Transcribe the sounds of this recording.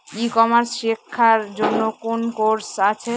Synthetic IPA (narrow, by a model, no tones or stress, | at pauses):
ikɔmaɾsʃikʰːaɾd͡ʑonːokonkoɾsat͡ɕʰe